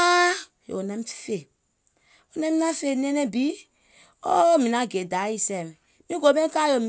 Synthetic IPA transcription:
a˦ | jo̰˨o˨nã˦m˦˨fe˨ | o˨nã˦mi˦na˦fe˦˨nɛ̃˦nɛ˦bi˨˦ | o˦mĩ˨nã˨˦˨ɡe˨da˨˦i˦sɛ˨mɛ˨ | mĩ˦ɡo˨˦bɛ̃˦ka˦jo˨m

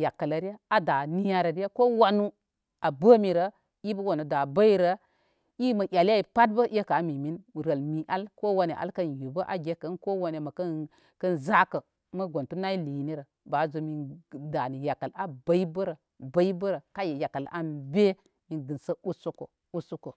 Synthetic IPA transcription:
ja˨kːa˨la˨ɾi˦ja˦a˨da˨ni˦ja˦ɾə˨ɾi˦ja˦ko˦wa˦nu˦ | a˨bə˦mi˨ɾə˨ | i˦bə˦wa˨nu˨da˨ba˦i˦ɾə˨ | i˦mɐ˨jʲa˨la˦i˨pa˦t̚bə˦ʔje˦ka˨˦mi˨mi˦n˨ɾə˨lmi˨ʔa˦lko˦wa˨ne˨ʔa̰˨lkɐ˦nju˨bə˦ʔa̰˨ɡʲe˦kə˨˦nko˦wa˦ne˨mɐ˨kə˦ | kɐ˦nza˦kə˨ | mə˦ɡʷo˨ntu˦na˦i˦li˨ni˦ɾə˨ | ba˨˦zo˨mi˨da˨ni˨ja˨ka˨la˨ba˦i˦bə˦ɾə˨ | ba˦i˦bə˦ɾə˨ka˦je˨ja˨ka˨la̰˦nbe˦ | mi˨ɡɨ˨nsə˦u˦su˦ko̰˨ | u˦su˦ko˨

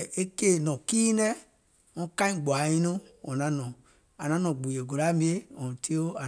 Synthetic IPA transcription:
e˦ke˦˨nɔ̃˨ki˦nɛ˦ | õ˦ka˦ĩ˦˨ɡ͡bo˨a˨ji˦no˦ɔ˨nã˨˦nɔ̃˨ | a˨nã˨˦nɔ̃˨ɡ͡bu˨je˨ɡo˨ɾa˦mĩ˦e˦ɔ˨m˨ti˦o˦a˨

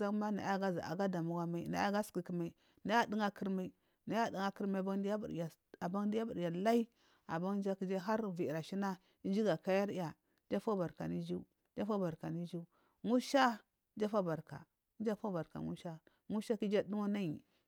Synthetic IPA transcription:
a˦kma˦na̰˨˦a˦ɡa˦za̰˨a̰˨ɡa˦da˨mu˦ɡa˦ma˨i˦˨na̰˨˦a˦ɡa˦ski˨ki˨ma˨i˨ | na˨˦ja˦di˦ŋa˦ki˦ɾma˦i˦ | na˨˦ja˦di˦ŋa˦ki˦ɾma˦˨ba˦ŋ˦di˦a˦bṵ˨a˨ | a˨ba˦ŋ˦di˦ja˦bu˨ɾja˨la˦i˦ | a̰˨ba˦ŋ˦d͡ʒa˦ki˦d͡ʒa˦ɦa˦ɾvi˨ɾa˨ʃi˦na˦ | i˦d͡ʒi˦ɡa˨ka˦ja˦ɾja˨˦ | d͡ʒa˦fa˦ba˨ɾka̰˨ni˦d͡ʒi˦ | d͡ʒa˦fa˦ba˨ɾka˨ni˦d͡ʒi˦ | ŋu˦ʃa˦ | d͡ʒa˦fa˦ba˨ɾka̰˨˦ | d͡ʒa˦fa˦ba˨ɾka̰˨ŋṵ˦ʃa˦ | ŋu˦ʃa˦ki˦d͡ʒa˦du˦ŋa˦na˦ji˨

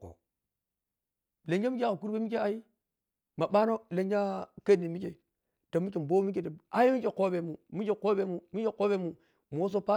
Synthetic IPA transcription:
ko̰˨ | le˨nd͡ʒa˦mi˦kʲko˨ku˦ɾbe˦mi˦ke˦a˨i˦ | ma˨ba˦no˦le˨nd͡ʒa˦ka˦ni˨mi˦ke˨ | to˨mːi˦ke˨m˨bo˦mi˦k̬e˨to˨a˨ji˦mi˦ke˨ko˦be˨mu˨mi˦ke˨ko˦be˨mu˨mi˦ke˨ko˦be˦mu˨ | m˨o˦s̬o˦pa˦

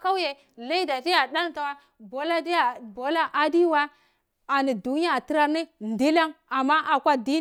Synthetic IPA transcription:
ka˦je˨ | la˦i˦da˨di˦ja˨da˦n˦ta˨wa˦ | bo˨la˦di˦a˨bo˨la˦ʔa˨di˦wa˦ | a˨ni˨du˨n˦a˦˨ti˦ɾa˦˨ɾne˦ndi˦la˦ŋa˨mːa˦ʔa˨kʷa˦di˦

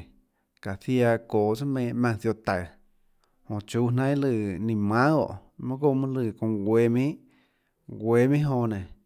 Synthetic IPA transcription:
ka˨θja˧koː˨t͡sɨ˦mẽː˧˨ʔmã˧t͡sjo˧t̪a˨ | hõ˨t͡ʃuː˦ɦnã˦lɨ˧˨nĩ˧˨mã˦o̰˨ʔ | mã˦ɡo˦ʔmɨ̃˦lɨ˧˨kõ˧˨ɡwe˧mĩ˦ʔ | ɡʷeː˧˨mĩ˦ɦõ˧˨nẽ˨

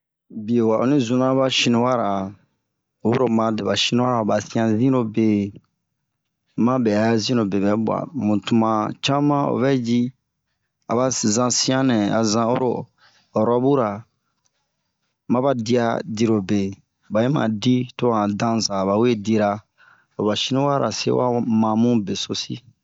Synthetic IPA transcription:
bi˨e˨wa˨o˨nĩ˦zũ˨nã˦ba˦ʃĩ˦nĩ˦wa˦ɾa˨ | wo˦ɾo˨mã˨de˨ba˨ʃi˦nĩ˦a˦ɾa˨ba˨sĩ˦ã˨zĩ˦ɾo˦be˨ | mã˦bɛ˨a˨˦zĩ˦ɾo˨be˨bɛ˨˦bwa̰˨mũ˨tu˨mã˨t͡ʃa˦mã˦o̰˨βɛ˦d͡ʒi˦ | a˨ba˨zã˦sĩ˦ã˦nɛ̃˨a˨zã˦o˦ɾo̰˨ | ɔ˨ɾɔ˦bu˦ɾa˨ | mã˦ba˦di˦a˦di˨˦ɾo˨be˨ | ba˨je˦mã̰˨di˦to˦ã˨dã˦zã˨βa˨we˦di˦ɾa˦ | o˨ba˨ʃi˦nũ˦wa˦ɾa̰˨sḛ˦wa̰˦mã˨mũ˦be˨so˦si˦

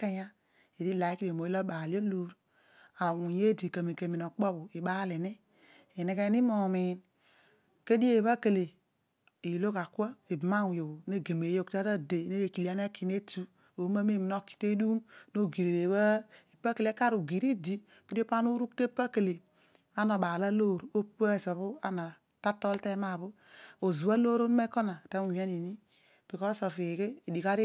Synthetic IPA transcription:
ka˦ja˦ | e˨di˦la˨i˦ki˦e˨mo˨˦i˦lo˦ɓa˨li˦o˦lo˨˦ɾ | a˨ɾa˨wu˨je˦di˨ka˨mi˨ke˨mi˨no˨k͡po˦bo˨i˨ɓa˦le˨ne˦ | e˨ne˨ke˦ni˦mo˨mi˨n | ke˦di˦e˦˨βa˦ke˨le˨ | i˨lo˦ka˨kʷa˦e˨bma˦wjo˨ne˦ɡe˨me˨jo˦kta˦ɾa˦de˨ne˦je˨ki˨i˨˦a˦n˦e˦ki˨ne˦tu˦ | o˨˦ma˦me˦˨m˨no˦˨ki̥˨te˦du˦mno˦ɡi˨ɾe˨ɾe˨wa˦e˨pa˦ke˨le˦ka˦ɾu˨ɡi˨ɾi˦di˦˨ke˦e˦pa˦nu˦ɾu˦k̚te˦pa˦ke˨le˨ | a˦no˨ɓa˨la˦lo˦˨ɾo˦pa˦˨so˨βu˦a˦na˨ | ta˦to˦lte˦ma˦˨βu˦ | o˨zu˨a˦lo˦ɾo˦n˦me˦ko˦na˨ta˦mu˨e˦ni˨ni˦ | b̥i˨ko˦so˨fi˨keː˦˨di˨ka˦ɾi˦

